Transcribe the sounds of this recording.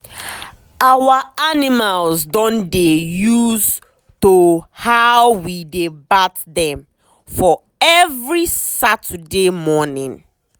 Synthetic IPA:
awaanimalzdɔ̃ndejuz | tohawwidebatðɛ̃m | fɔ | ɛvɹisatʰədemɔnĩn

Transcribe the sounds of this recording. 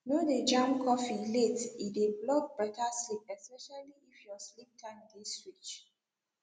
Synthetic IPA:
noded͡ʒãmkʰɔfiletiteblɔk̚bɹakʰaslip̚ɛspɛʃaliifjɔslip̚tʰãdistɹit͡ʃ

